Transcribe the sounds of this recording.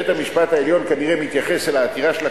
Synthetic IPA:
et̪hamiʃpat̪haeljo̞nkaniʁemit̪jaχe̞selaːt̪iʁaʃela

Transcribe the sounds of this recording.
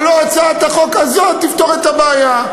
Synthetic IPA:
loat͡saet̪aχo̞kazot̪ift̪o̞ʁet̪abaːja

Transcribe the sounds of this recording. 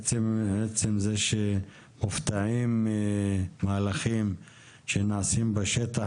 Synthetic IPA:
t͡semʕet͡semzeʃe | muft̪aʕimː | alaχim | ʃenaʕasimbeʃet̪a

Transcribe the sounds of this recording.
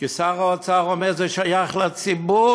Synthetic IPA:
kɪsaʁoat͡saʁɔmɛʁzoɪʃajaχlat͡sibu

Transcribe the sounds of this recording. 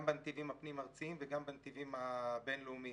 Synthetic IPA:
mbant̪ivimapnimaʁt͡siimveɡambant̪ivimabenlumi

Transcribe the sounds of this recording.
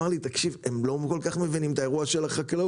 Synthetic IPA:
aʁlit̪akʃive̞mlo̞ko̞lkaχme̞vinimt̪ae̞ʁuaʃelaχakla

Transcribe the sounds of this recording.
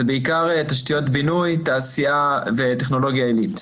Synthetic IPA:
beikaʁtaʃtijo̞tbinujtaːsiaveteχno̞lo̞ɡjaelit

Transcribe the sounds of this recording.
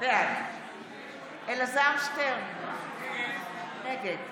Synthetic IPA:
vea | elazaʁmʃteʁn | neɡed̪

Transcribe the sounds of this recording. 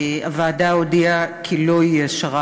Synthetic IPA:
avaːdaodiakʰiloiɛʃaʁa

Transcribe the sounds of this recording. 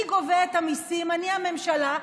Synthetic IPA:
iɡoveet̪amisimaniame̞mʃala

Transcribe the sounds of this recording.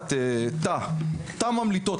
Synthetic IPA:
t̪et̪at̪amamlit̪o

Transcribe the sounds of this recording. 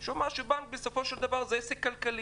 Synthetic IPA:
ʃomaʃubaŋk̚beso̞fo̞ʃeld̪avaʁzeesekːalkali

